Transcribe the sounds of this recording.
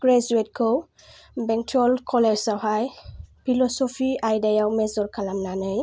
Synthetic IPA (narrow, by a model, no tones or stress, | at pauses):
ɡ̥ɹɛzuet̚kʰɔw | bɛŋtʰɔlkʰɔlɛd͡ʒsawɦajpʰilɔsɔpʰiajdajawmɛzɔɹkʰalamnanɯj